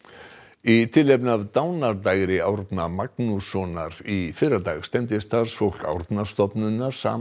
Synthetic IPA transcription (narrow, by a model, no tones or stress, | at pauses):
it̪ʰɪlːejp̬navt̪aːwnaɾt̪aɣɾɪawɾt̪namaknusɔːnaɾifɪɾaɾt̪a̰ɣst̪ɛmt̪ɪst̪aɾ̥sfowl̥ka̰wɾt̪nast̪ɔpnʏnːaɾ̥sa̰ː